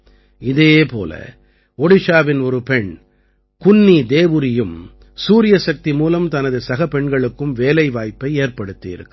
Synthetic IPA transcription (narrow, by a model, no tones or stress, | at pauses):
ɪðeːpo̰ːlɐ̰ | ɔɽɪʂaːʋɪnɔɾɯpɛɳ | kʊnːid̪eːʋɯɾɪjɯm | suːɾɪjɐsɐk̚t̪imuːlɐmt̪ɐnɐðɯsɐɣɐpɛɳɡɐɭɯkːɯmʋeːlɐɪʋaːjpːɐɪeːɾpɐɽɯt̪ːɪjɪ̰ɾɯ̰kː